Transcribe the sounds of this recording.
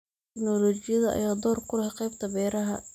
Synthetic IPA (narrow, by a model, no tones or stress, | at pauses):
t̪ɪknɔlɔːt͡ʃɪjɐðɐɐ̰jaːd̪ɔːrkʰʊɾɐhqɛjbt̪ʰɐbɛːɾɐɦɐ̰